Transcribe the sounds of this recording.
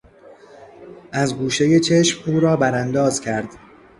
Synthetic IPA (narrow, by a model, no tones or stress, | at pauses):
ʔæzɡuːʃe̞je̞t͡ʃʰe̞ʃmuːɾɒːbæɾænd̪ɒːzcʰæɾd̪̥